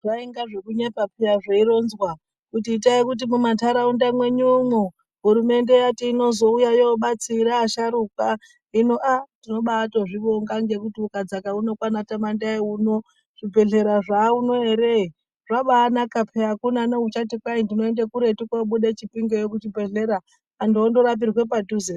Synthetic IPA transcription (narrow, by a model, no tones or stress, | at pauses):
ʐaiŋɡaʐekuɲepapʰeaʐeiɾo̞nzwa | kutiːtaikut̬imumatʰaɾaundamwe̞ɲumu | ɦuɾume̞nde̞jatiːno̞zo̞ujajoɓat͡siɾaːʃaɾuka | inoʔandino̞ɓatoʐiʋoŋɡaŋɡe̞kutiukad͡zakaunokwanatamandaiuno | ʐ̥ipe̞ɮe̞ɾaʐauno̞eɾei | ʐ̥aɓaːnakapʰeakunanaut͡ʃatikwaindino̞endekuɾe̞tikaɓuɗet͡ʃipiŋɡojok̬ut͡ʃipe̞ɮeɾaː | ndiondo̞ɾap̬irwe̞paduze